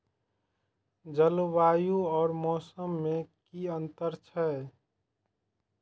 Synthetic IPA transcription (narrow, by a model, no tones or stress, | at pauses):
d͡ʒəlbaːjuɔːɾmɔːsəmːekiənt̪əɾt͡ʃʰɛ